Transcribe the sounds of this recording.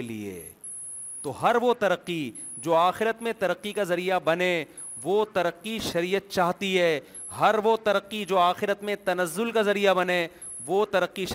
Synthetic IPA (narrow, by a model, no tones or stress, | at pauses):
elḭḛ | t̪oɦɐɾʋot̪ɐɾəqːid͡ʒoːaːxɪɾət̪mẽt̪ɐɾəqːikazɐɾijabɐnẽ | ʋot̪ɐɾəqːiʃɐɾiːət̪̚t͡ʃaːɦt̪iɦɛː | ɦɐɾʋot̪ɐɾəqːid͡ʒoːaːxɪɾət̪mẽt̪ɐnəzːʊlkazɐɾijabɐne | ʋot̪ɐɾəqːiʃ